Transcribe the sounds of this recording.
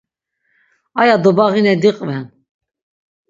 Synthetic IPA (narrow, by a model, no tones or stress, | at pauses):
ajad̪ɔbaɣinɛd̪iqʼvɛn